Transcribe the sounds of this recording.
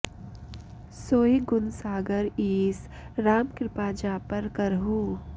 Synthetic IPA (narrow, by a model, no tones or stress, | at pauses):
soːiɡʊnsaːɡəɾiːs | ɾaːmkɾɪpaːd͡ʒaːpɐɾkəɾɦuː